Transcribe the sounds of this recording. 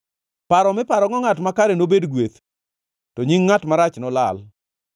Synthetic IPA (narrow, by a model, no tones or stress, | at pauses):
paɾɔmɪpaɾɔŋɔŋatmakaɾenobedɡwet̪ | tɔɲiŋːatmaɾat͡ʃnɔlal